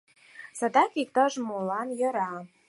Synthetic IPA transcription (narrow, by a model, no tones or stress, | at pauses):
sɑd̪ɑkik̚t̪ɑʒmulɑnjɤ̆ɾɑ